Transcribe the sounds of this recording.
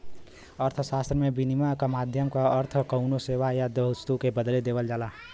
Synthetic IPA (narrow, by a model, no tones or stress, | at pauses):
əɾt̪ʰsaːst̪ɾəmebinimakamaːd̪ʱjəmkaəɾt̪ʰkəʊnoseːʋajad̪əʊst̪ukebəd̪led̪eːʋəld͡ʒaːla